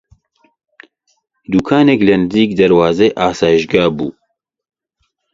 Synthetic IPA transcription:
d̪uːkʰaːnɛklɐndiːkd̪ɐɾwaːzeʔaːsaːjiʃɡaːbṵː

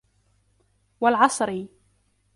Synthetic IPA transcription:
walʕɑsˤɾi

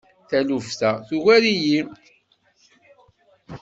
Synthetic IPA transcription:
θælufθæθuɣæɾiji

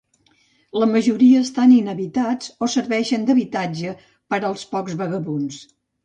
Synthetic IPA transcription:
ləməʒuɾiəːst̪aninəβit̪ad͡zosəɾβɛʃənd̪əβit̪ad͡ʒə | pəɾəlˠspɔkzβəɣəβuns

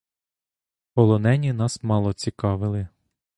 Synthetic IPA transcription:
pɔlˠɔnɛnʲinɑsmɑlˠɔt͡sʲikɑʋɪlˠɪ

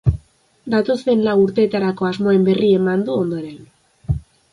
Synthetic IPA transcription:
d̪at̪o̞st̪e̞nlawuɾt̪e̞ːt̪aɾako̞azmo̞e̞mbe̞rie̞mand̪uo̞nd̪o̞ɾe̞n

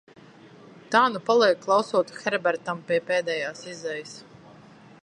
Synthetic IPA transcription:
t̪aːnupalˠiɛkːlˠawsuɔt̪u̥xʲɛɾbɛɾt̪ampiɛpeːd̪ɛːjaːsizɛjs

